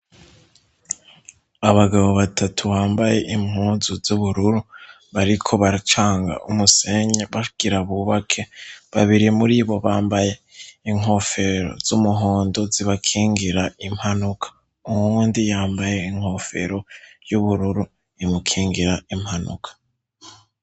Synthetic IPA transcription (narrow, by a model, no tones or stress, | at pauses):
aβaɡaβo̞βatʰatʰuβaːmbaje̞ʔim̥huːnzuzuβuɾuɾu | βaɾikʰo̞βaɾt͡ʃaːŋɡa̰ʔumuse̞ɲeβaɡ̥iɾaβuβakʰe̞βaβiɾiemuɾiβo̞βaːmbaje̞iŋɦo̞fe̞ɾo̞̰z̥umuɦoːndo̞ziβakʰiːŋɡiɾaim̥hanukʰḁ | umuːndijaːmbaje̞iŋ̥ho̞fe̞̰ɾo̞juβuɾuɾu | imukʰiːŋɡiɾaim̥hanṵkʰḁ